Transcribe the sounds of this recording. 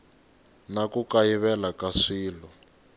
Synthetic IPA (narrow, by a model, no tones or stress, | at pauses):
nakukajiβɛlakaʂiːlɔ